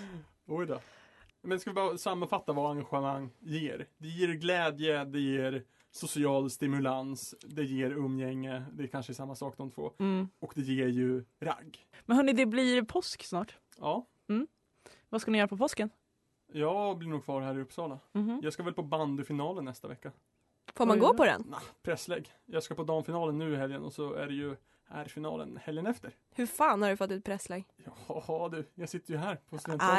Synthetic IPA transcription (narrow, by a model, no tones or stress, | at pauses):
ɔjd̪ɑː | mɛnɪskavɪbɑːɾasamːanfat̪ːavaaŋɡaɧəmaŋːjeːɾd̪ɛjeːɾɡlɛːd̪jəd̪ɛjeːɾ | sʊsɪɑːlst̪ɪmɵlansd̪ɛjeːɾɵmːjɛŋːəd̪ɛɛkʰanʂəɛsamːasɑːkd̪ɔmt̪vo̰ːɔkd̪ɛjeːɾjɵɾa̰ɡːmɛnhœːɳɪd̪ɛbliɾpʰɔsksnɑːʈ | ɑː | m̩ː | vaskanɪjœːɾapʰɔpʰɔskən | jɑːblɪɳuːɡkʰvɑːɾɦæːɾɪɵpːsɑːlajɑːskavɛlpʰɔband̪ɵfɪnɑːlənːɛst̪avɛkːa | foːmanɡoːpɔd̪ɛ̰napʰɾɛsːlɛːɡ | jɑːskapɔd̪ɑːnfɪnɑːlənːʉ̟ːɪɦɛljənɔ̰sɔæ̰ɖɛjɵ | hæ̰ːɾfɪnɑ̰ːlə̰nhɛljənɛft̪əɾ | hɵfɑːnhaɖɵfɔt̪ːɪt̪̚pʰɾɛsleːɡjɑːhɑhɑd̪ʉjɑːɡsɪt̪ːəɾjɵɦæːɾpʰɔsɛn